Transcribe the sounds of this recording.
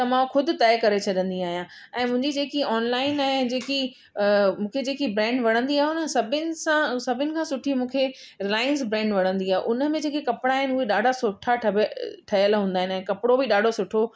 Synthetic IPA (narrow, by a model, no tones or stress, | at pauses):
t̪ɐmãːxʊd̪ʱʊ̆t̪ɛːkɐɾet͡ɕʰɐɗə̃nd̪iaːɦijã | ɛ̃ːmʊ̃ɦɪ̃ɲd͡ʑid͡ʑeːkiɔːnlaːɪnaɛɦẽd͡ʑeːki | mũːkʰed͡ʑeːkibɾɛ̃ːɳɖʋɐɽ̤ə̃nd̪iaːɦeʊnəsɐbʱɪnɪ̆sãsɐbʱɪnɪ̆kʰãːsʊʈʰimũːkʰe | ɾɪlaːɪənsbɾɛ̃ːɳɖʋɐɽ̤̃ə̃nd̪iaːḛʔʊnə̆mẽd͡ʑeːkekɐpɽ̃aːɦɪnɪʊɦeɗaːɖʱasʊʈʰaʈʰʈʰɐɦjəlɦũːnd̪aːɦɪnɛ̃ːkɐpɪɽobɪɗaːɖʱosʊʈʰo